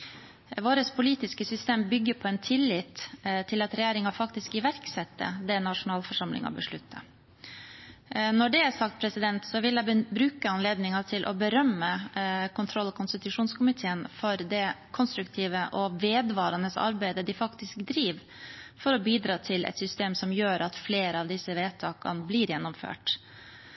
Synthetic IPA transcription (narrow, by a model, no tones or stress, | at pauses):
ʋoːɾəspʰʊliːt̪ɪskəsʏst̪eːmbʏɡːəpʰɔɛnt̪ʰɪlːɪt̪t̪ʰɪlɑt̪ɾɛjæːɾɪŋɑfɑkt̪ɪskɪʋæɾksɛt̪ːə̰d̪ɛnɑʂʊnɑːlfɔʂɑmlɪ̰ŋɑ̰bəʂɭʉt̪ʰːə | nɔɖɛæsɑkt̪̚pʰɾɛsɪd̪ɛnt̪sɔʋɪljæbɾʉːkəɑnleːd̪nɪŋɑt̪ʰɪlʔɔ̰bəɾœmːəkʰʊnt̪ʰɾɔlːɔkʊnst̪ɪt̪ʉʂuːnskʊmɪt̪ʰeːənfɔɾd̪ɛkʰɔnst̪ɾʉkt̪ʰiːʋəʔɔʋeːd̪ʋɑːɾɑnəsɑ̰ɾbæɪd̪əd̪ɪfɑkt̪ɪskd̪ɾiːʋ | fɔɾɔbiːd̪ɾɑːt̪ʰɪlʔɛ̰t̪sʏst̪eːmsɔmjøːɾʔɑt̪fleːɾəɑʋd̪ɪsəʋeːt̪ʰɑːkɑ̰nbliɾjɛnːɔmfø̰ːʈ